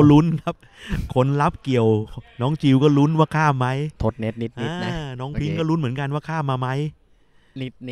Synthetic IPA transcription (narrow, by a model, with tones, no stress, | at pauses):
ɾu˦˥nkʰa˦˥p̚ | kʰo˧nla˦˥p̚ki˨˩əwnɔː˦˥ŋt͡ɕʰi˧wkɔː˥˩lu˦˥nwaː˥˩kʰaː˥˩mːa˦˥jt̪ʰo˦˥t̪̚ne˦˥t̪̚ni˦˥t̪̚ʔiː˦˧˦nɔː˦˥ŋpʰi˦˥ŋkɔː˥˩ɾu˦˥nmɯ˩˦ə˦nka˧nwaː˥˩kʰaː˥˩mmːaː˧ma˦˥j